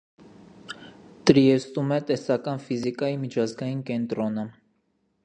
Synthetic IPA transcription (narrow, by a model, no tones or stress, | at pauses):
t̪ɾiɛst̪umɛt̪ɛsɑkɑnfizikɑjimit͡ʃʰɑzɡɑjinkɛnt̪ɾɔnə